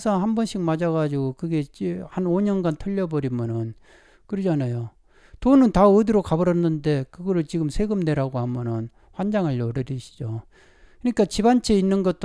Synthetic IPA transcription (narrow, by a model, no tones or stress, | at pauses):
sʰʌhambʌnɕʰik̚mad͡ʑaɣad͡ʑiɡokɯɡe̞t͡ɕihanoɲʌnɡantʰʌʎːʌbʌɾimjʌnɯn | kɯɾid͡ʑanajo | tonɯntaɯdiɾokabʌɾʌnːɯnde̞kɯɡʌɾɯɭt͡ɕiɡɯmsʰe̞ɡɯmne̞ɾaɡohamjʌnɯn | ɸwand͡ʑaŋɯɭːʌɾɯɾiɕʰi̥d͡ʑo | kɯɲik͈at͡ɕibant͡ɕʰe̞inːɯnɡʌt͈